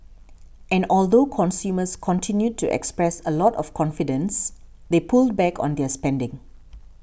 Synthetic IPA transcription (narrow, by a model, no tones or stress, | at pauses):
ʔɛ̃nɔld̪okʰɔ̃nsjuːməskʰɔ̃ntʰĩnjud̚tʰuʔɛ̰kspɹɛsəlɔtɔfkʰɔ̃nfidə̃ns | d̪epʰuld̚bɛkʰɔ̰̃nd̪ɛəspɛ̃ndɪ̃ŋ